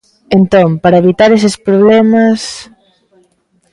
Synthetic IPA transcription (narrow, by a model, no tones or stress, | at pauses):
ent̪ompaɾɐeβ̞it̪aɾesespɾoβ̞lɛmɐs